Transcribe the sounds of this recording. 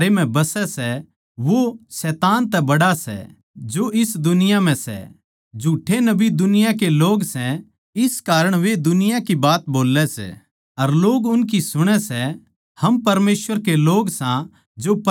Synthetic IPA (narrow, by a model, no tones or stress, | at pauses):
ɾem̤ɛ̃bɐsɛsɛ | ʋosɛːt̪aːnt̪ɛbɐɽasɛ̰ | d͡ʒoɪsd̪ʊnɪjam̤ɛ̃sɛ̰ | d͡ʒʱuːʈʰːenɐbid̪ʊnɪjãk̬eloːɡsɛ̃ | ɪskaːɾəɽ̃ʋed̪ʊnɪjãkibaːt̪boːlːɛsɛ̰ː | ɐɾloːɡʊnk̬isʊɽ̃ɛsɛ | hɐmpɐɾmeːsʋəɾkeloːɡsã | d͡ʒop